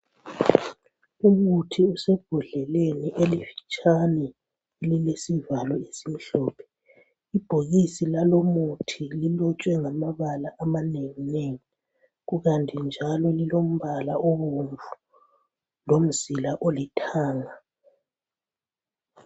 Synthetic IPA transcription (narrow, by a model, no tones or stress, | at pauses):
uɣutʰiusɛb̥ʱuɮɛleniʔelifi̥t͡ʃʼanɛ | elilesivalɔesim̩ɬɔːpʰɛ̥ | ib̥ʱoɣisilalomutʰililɔt͡ʃʼwɛŋamaβalaʔamaneŋineŋi | ɣuɣantʰʼind͡ʒʱalɔlilom̩βalaoβuɱvʱu̥ | lom̩zilaʔolitʰaːŋa